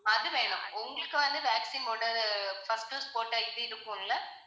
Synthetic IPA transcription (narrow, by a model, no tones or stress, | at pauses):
ɐðɯʋeːɳʊ̃ʊŋɡɐɭɯkːɯʋɐnd̪ɯʋaːksiːnpoːʈːɐɯfɐsʈɯːspoːʈːɐːjɪt̪ːɯɪɾɯkːɯŋlːɐ